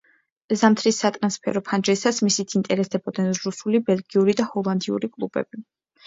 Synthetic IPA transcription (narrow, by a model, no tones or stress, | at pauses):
zamt̪ʰɾisːat̪ʼɾanspʰɛ̰ɾɔpʰand͡ʒɛsasmisit̪ʰint̪ʼɛɾɛst̪ɛbɔd̪nɛnɾusulibɛlɡiuɾid̪ahɔlˠand̪iṵɾikʼlˠub̥ɛ̰b̥i